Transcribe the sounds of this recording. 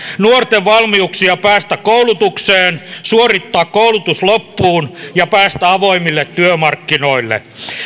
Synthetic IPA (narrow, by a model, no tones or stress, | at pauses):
nuort̪eʋʋɑlmiuksiɑpæːst̪ækkoulut̪ukseːnsuorit̪ːɑːkkoulut̪uslopːuːnjɑpæːst̪æɑʋoimilːet̪tyømɑrkːino̞ilːḛ